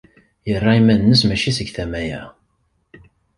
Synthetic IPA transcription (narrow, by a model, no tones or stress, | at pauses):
jərˤːɑimænənːəs̬mæʃisəɡθæmæjæ̰